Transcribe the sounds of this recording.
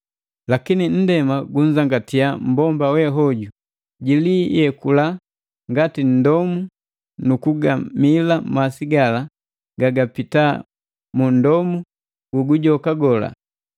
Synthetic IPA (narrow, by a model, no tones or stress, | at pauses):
lakinin̩dɛmaɡuɲ̩d͡ʒaŋɡatijam̩bɔmbawɛɦɔɟu | ɟilijɛkula | ŋɡatin̩dɔmu | nukuɡamilamasiɡala | ɡaɡapita | mundɔmu | ɡuɡuɟɔkaɡɔla̰